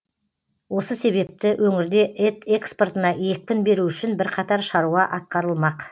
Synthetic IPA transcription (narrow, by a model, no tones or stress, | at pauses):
wo̞səse̞βe̞p̚t̪ɪwʔɵŋɪɾd̪e̞ʔet̪e̞ksport̪ənɑje̞k̚ʲpʲɪnbe̞ɾuʏʃɪnbɪɾqʰɑt̪ɑɾʃɑɾuʁɑʔɑt̪̚qɑɾəlˠmɑq